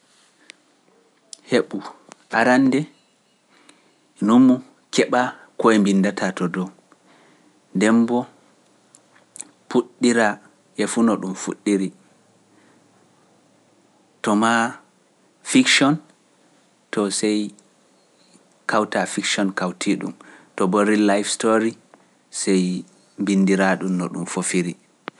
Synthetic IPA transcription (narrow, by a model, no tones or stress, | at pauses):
heɓu | ʔaɾandɛ | numːu | kɛɓa | kɔɛmbindatʰatɔdɔ | ndɛmbɔ | puɗːiɾa | ʔɛfunɔɗumfuɗːiɾi | tɔma | fikʃɔn | tʰɔsɛj | kʰawtafikʃɔnkawtʰiɗṵmtɔbɔɾilajfstoɾi | sɛj | mbinːdiɾaɗumnɔ̰ɗṵmfofiɾi